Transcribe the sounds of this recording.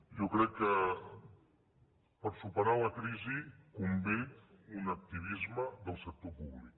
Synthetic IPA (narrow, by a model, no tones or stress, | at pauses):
ʒɔkɾɛkːə | pəɾsupəɾaləkɾizikumbit̪unək̚t̪iβ̞izməðəlˠsək̚t̪opuβlik